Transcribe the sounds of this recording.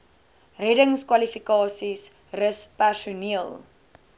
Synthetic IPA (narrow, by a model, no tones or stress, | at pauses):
rɛdəŋskwɐlifikɑːsis | rəspærsuniəlˠ